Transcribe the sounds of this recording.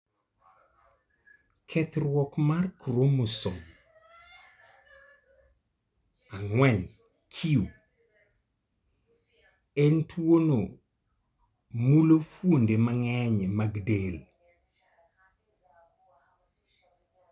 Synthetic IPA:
kʰɛt̪rwɔkmarkɾomʊsɔm | aŋwɛn | kʰiu | entʰwono | mulofwondemaŋɛɲemaɡdel

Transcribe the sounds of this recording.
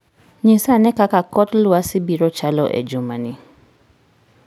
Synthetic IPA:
ɲẽsanɛkakakɔtlʊasibiɾɔt͡ʃalɔʔɛ̰d͡ʒomani

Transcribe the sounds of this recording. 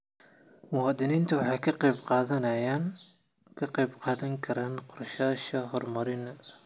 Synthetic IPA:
mʊwɑːd̪ɪniːnt̪ʰɐwɑħɑjkʰɐqɑbqɑːðɐnɐjaːn | kʰɐqɑjbqɑːðɐŋkʰɐɾaːnqɔrʃaːʃɐɦɔrmɐɾɪnɐ

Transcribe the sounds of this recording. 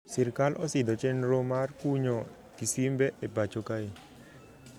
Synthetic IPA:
sɪrkalʔɔsɪd̪ɔt͡ʃɛnɾomarkuɲo | kisimbɛʔebat͡ʃokae

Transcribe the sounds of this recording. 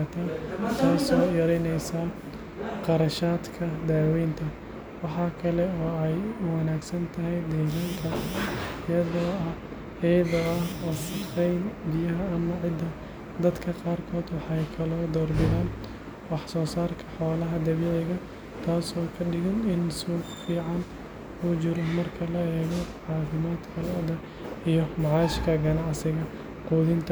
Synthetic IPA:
t̪ʰaːt̪ʰaːsɔːjɐɾɛjnɛjsaː | qɑɾɐʃaːd̪kʰɐd̪aːwɛjnt̪ʰɐ | wɑħɑːkʰɐlɛɔːɛjʊwɑnaːɡsɐnt̪ʰɐɦɛjd̪ɛːðɐŋkʰɐɪjɐðɔːɐ | ɛjðɐɐɐsqɛjnbɪjɐɦɐɐmɐʕɪd̪ːɐ | d̪ɐd̪kʰɐqɑːrkʰɔːd̪wɑħɑjkʰɐlɔːd̪ɔːrbɪðaːn | wɑħsɔːsaːrkʰɐħɔːlɐɦɐd̪ɐβiʕɛɣɐ | t̪ʰaːsɔːkʰɐɖɪɣɐnɪnsuːɡfiːʕɑn | ut͡ʃɪɾɔmɐrkʰɐlɐɛːɣɔʕɑːfɪmaːd̪kʰɐlɔd̪ɐ | ijɔmɑʕɑːɪʃkʰɐɡɐnɑʕsɪɣɐ | quːðɪnt̪ʰɐ

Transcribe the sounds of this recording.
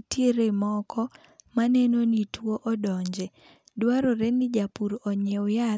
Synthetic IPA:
tjeɾemɔkɔ | manenonitwoʔɔdɔɲd͡ʒɛ | dwaɾoɾenɪd͡ʒapuɾɔɲeja

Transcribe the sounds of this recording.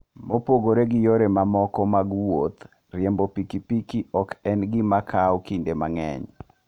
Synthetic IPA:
mopoɡoɾeɡɪjoɾemamɔkɔmaɡwot̪ | rjembopikipikiɔkɛnɡɪmakʰawkindema̰ŋɛ̰ɲ

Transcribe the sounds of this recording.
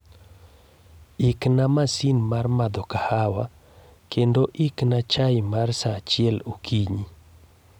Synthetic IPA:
iknamasinmarmad̪ɔkahawa̰ | kendoʔiknat͡ʃaɪmarsat͡ʃɪɛlukʰiɲi

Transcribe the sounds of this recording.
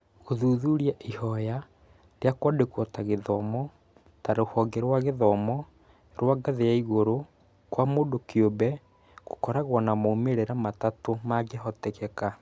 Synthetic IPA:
oðuːðuɾjaʔihɔja | dejakwɔdekwɔtaɣeðɔmɔ | taɾohɔɡeɾwaɣeðɔmɔ | ɾwaɡaðejaiɣoɾo | kwamodokeobɛ | kokɔɾaɣwɔnamoumeɾeɾamatatomaɡeɦɔtekɛka

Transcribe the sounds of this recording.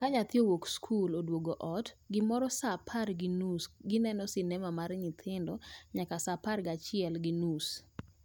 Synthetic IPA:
kaɲat̪jowokskʰulodwoɡoʔɔtɡɪmɔɾɔsapʰaɾɡɪnusɡɪnɛnɔsɪnɛmamaɾɲɪt̪ʰɪndɔɲakasapaɾɡat͡ʃɪɛlɡɪnus

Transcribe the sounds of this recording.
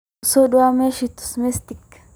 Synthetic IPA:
sodʊameʃɪt̪ːʊ̥smɛst̪ɪkː

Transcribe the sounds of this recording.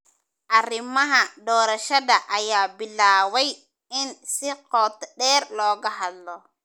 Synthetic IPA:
ʔɐrɪmɐɦɐd̪ɔːɾɐʃɐðɐʔɐjaːbɪlːaːwɛj | ɪnsɪqɔːt̪ɖɛːɾlɔːɡɐɦɐd̪lɔ

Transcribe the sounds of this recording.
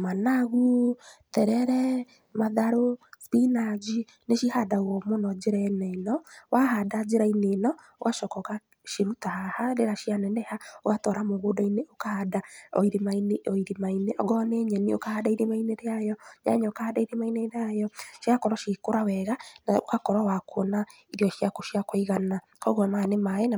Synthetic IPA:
manaɣutɛɾɛɾɛ | maðaɾospinad͡ʒi | neʃihadaɣɔmonɔd͡ʒeɾanɛnɔwahadad͡ʒeɾainenɔ | o̰ɣaʃɔkɔɣa | ʃiɾutahahaɾeɾaʃianɛnɛhaoɣatɔɾamoɣodaineʔokahadaɔ̰iɾemaineɔiɾemaineʔɔ̰ɡɔneɲɛniokahadaiɾemaineɾeajɔɲa̰ɲaokahadaiɾemaineɾajɔʃiakɔɾɔʃikoɾawɛɣanaokakɔɾɔwakʰona | iɾiɔʃiakoʃiakoiɣana | kɔɣwamanemaɛna

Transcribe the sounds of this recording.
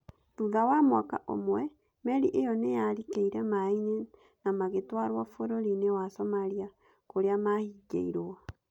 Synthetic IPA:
tuðawamwaka̰ʔo̰mwɛ | mɛɾiʔejɔnejaɾikeiɾɛmaiɲe | namaɣetwaɾwafoɾoɾinewasɔmaɾia | koɾeamahiɡḛiɾoa

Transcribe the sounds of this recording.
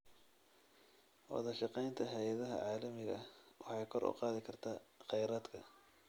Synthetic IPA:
wɑ̰ðɐʃɑqɛjnt̪ʰɐɦɛjɐðɐɦɐ̰ʕɑːlɐmɪɣɐwɑħɑjkʰɔɾʔʊ̰qɑːðɪkʰɐrt̪ʰaːqɛjɾaːd̪kʰɐ

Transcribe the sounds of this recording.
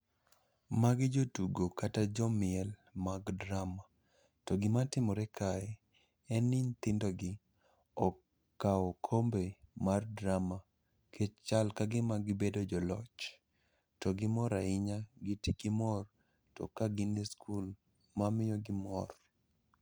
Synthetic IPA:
maɡɪd͡ʒotuɡokatad͡ʒɔmɪɛlmaɡdɾama | tɔɡɪmatɪmɔɾɛkʰaɛ | ɛnɪnt̪ɪndɔɡɪ | ɔ | kːaɔkʰombemardɾama | kʰet͡ʃt͡ʃalkaɡɪmaɡɪbedod͡ʒɔlɔt͡ʃ | tɔɡɪmɔɾaɪɲaɡɪtikɪmɔr | tɔ̰kaɡɪniskʰul | mamɪjɔɡɪmɔr

